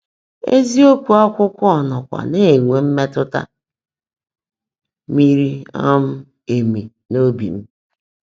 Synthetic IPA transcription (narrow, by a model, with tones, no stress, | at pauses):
ḛ˦zi˦o˦kʷu˨a˦kʷʊ˦kʷʊ˦ɔ˨nɔ˨kʷa̰˨ne˦˨ŋʷe˨m̩˦me˦tʊ˦ta̰˦ | mi˦ɾi˦a̰˦m̩˦ | e˨mi˨ | no˦bḭ˨m̩˦